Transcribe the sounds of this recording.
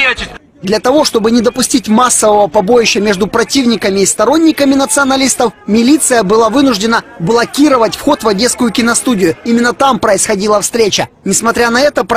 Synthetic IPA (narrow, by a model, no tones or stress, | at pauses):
d̪lʲɐt̪ɐvo̞ʂt̪o̞bɨnʲɪd̪əpʊsʲtʲitʲmasːəvəvəpɐbo̞jɪɕːəmʲeʐd̪ʊpɾɐtʲivnʲɪkəmʲɪːst̪ɐɾo̞nʲːɪkəmʲɪnət̪sɨɐnɐlʲist̪əfmʲɪlʲit̪sɨjəbɨlˠavɨnʊʐdʲɪnəblˠɐkʲiɾəvətʲfxo̞t̪vɐdʲe̞t̪skʊjʊkʲɪnɐst̪udʲɪjʊimʲɪnːət̪ampɾəɪsxɐdʲilˠəfst̪ɾʲet͡ɕə | nʲɪsmɐt̪ɾʲanɐɛt̪əp